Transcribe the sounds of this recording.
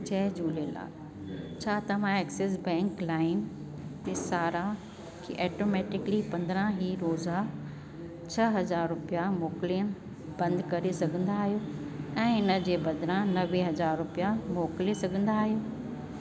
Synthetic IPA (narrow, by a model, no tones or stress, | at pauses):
t͡ɕɛɦd͡ʑuːlela̰ː | t͡ɕʰaːt̪ɐʋ̤ãeːkseːs̬bɛ̃ːŋklaːɪn | t̪eːsaːɾa | kʰiʔɛːʈomɛːʈɪklipɐ̃nd̪əɾə̃ɦiːɾoːza | t͡ɕʰɐɦɐzaːɾɾʊpijamoːkliən | b̥ɐ̃nd̪kɐɾesɐɡʱə̃nd̪aːɦijoːɛ̃ːɪnə̆d͡ʑeːbɐd̪ʱɾãnɐʋeɦɐzaːɾɾʊpijamoːklesɐɡʱə̃nd̪aːɦijoː